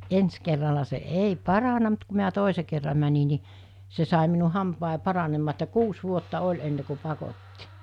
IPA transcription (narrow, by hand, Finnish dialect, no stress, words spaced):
ens kerːɑlɑ se ei pɑrɑnɑ mut ku miæ toˑise kerːɑ mæni ni se sɑˑi minu hɑmpɑˑi pɑrɑnemːɑː etːæ kuːs ʋuotːɑ olʲ enːe ku pɑkotːi